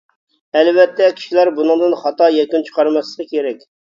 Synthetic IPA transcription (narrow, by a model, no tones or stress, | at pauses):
ɛlvɛt̪ʰːɛkʲʰi̥ʃilæɾbunɨŋd̪ɨnχɑt̪ɑjɛkʲynt͡ʃʰə̥qʰɑɾmɑslˠəqəkʲʰeɾɛkʲ